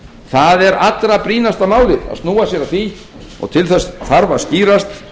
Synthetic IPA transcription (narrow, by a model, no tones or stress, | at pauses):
θaðɛɾat̪ɾapɾiːnast̪amaːwlɪða̰ðst̪nuːwasjɛɾaθi | ɔ̰ɣt̪ʰɪlθɛsθaɾvaðsciːɾast̪